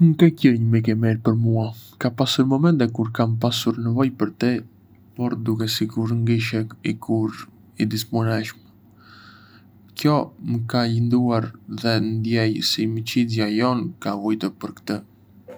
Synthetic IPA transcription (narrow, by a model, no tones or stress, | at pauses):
məkɛcəɾɲəmik̬ɛmɛɾpəɾmuakapasuɾmɔmɛnt̪ɛkuɾkampasuɾnəvɔjpəɾt̪i | pɔɾd̪ukɛsiɡuɾŋɡiʃɛikʰuɾ | id̪ispunɛʃmɛ | kjɔməkalind̪uaɾðɛnd̪jɛjsimit͡ɕizjajɔnkavɔjt̪əpəɾkt̪ə